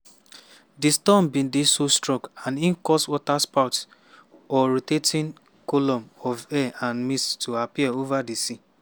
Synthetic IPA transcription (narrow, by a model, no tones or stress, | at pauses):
distɔmbĩndisostɹɔkanin̩kɔswɔtaspaʊt | ɔɾitetʰĩn | kolɔ̃mɔvɛʔãnmistuapiɛovadisi